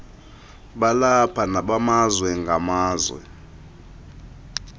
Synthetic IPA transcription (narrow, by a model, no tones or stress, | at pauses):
ɓalapʰanaɓamazwɛŋɡʱamaːzwɛ̰